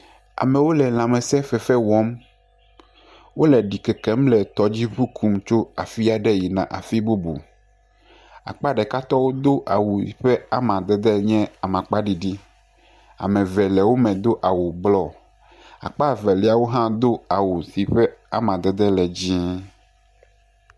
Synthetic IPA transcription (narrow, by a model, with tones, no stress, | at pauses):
a̰˨mɛ̃˨wo˦lɛ˨l̃ã˨mɛ̃˨sɛ˦fɛ˨fɛ˦wɔ˦m | wo˦lɛ˨ɖi˨kɛ˨kɛ˦mlɛ˨t̪ɔ˦d͡ʑi˦ɸu˦kʰu˦mt͡ʃo˦a˨fi˦a˨ɖɛ˦ji˨nã̰˨ʔa̰˨fi˦bu˦bṵ˨ | a̰˨k͡pa˦ɖɛ˨ka˦t̪ɔ˦wo˦d̪o˦ʔa˨wu˨i˨ɸɛ˦a˦mã˨d̪ɛ˦d̪ɛ˦ɲɛ̃˦a˨mã˨k͡pa˦ɖi˨ɖi˦ | a̰˨mɛ̃˨vɛ˨lɛ˨wo˦mɛ̃˨d̪o˦ʔa˨wu˨blɔ˦ | a̰˨k͡pa˦vɛ˨li˦a˨wo˦ɦã˦d̪o˦a˨wu˨si˨ɸɛ˦a̰˦mã˨d̪ɛ˨d̪ɛ˦lɛ˨d͡ʑĩ˦